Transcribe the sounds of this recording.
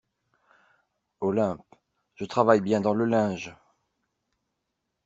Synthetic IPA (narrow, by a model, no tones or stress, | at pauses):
olɛ̃p | ʒ̥ət̪χavajbjɛ̃d̪ɑ̃ləlɛ̃ʒ